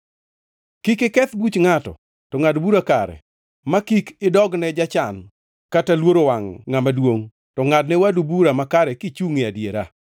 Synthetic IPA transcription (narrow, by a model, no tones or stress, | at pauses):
kikɪkɛt̪but͡ʃŋatɔ̰ | tɔŋadbuɾakaɾɛ̰ | makikɪdɔɡnɛd͡ʒat͡ʃan | katalwoɾowaŋːamadwoŋ | tɔŋadnɛwadubuɾamakaɾɛkɪt͡ʃuŋɪadjeɾa̰